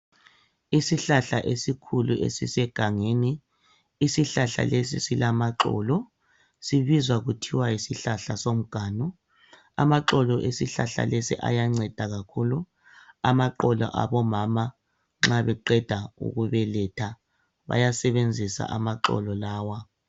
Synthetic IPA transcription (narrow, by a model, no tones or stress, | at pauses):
isiɬaɬaʔesikʰuluʔḛsisɛɡ̥ʱaŋeːniː | siɬaɬa̰les̬ḭsilamaǁɔ̰ːlɔ | siβizwaɣutʰiwaisiɬaɬasom̩ɡ̥ʱaːnɔ | a̰maǁɔlɔʔesiɬa̰ɬa̰lesḭʔa̰jaŋ͡ǀɛd̥ʱaɣakʰulu | amaǃɔlɔ̰ʔa̰βɔmama | ŋ͡ǁaβɛǃɛd̥ʱaṵɣuβɛlɛtʰa | βa̰jasɛβend͡zʱisa̰ʔamaǁɔ̰lɔlaːwa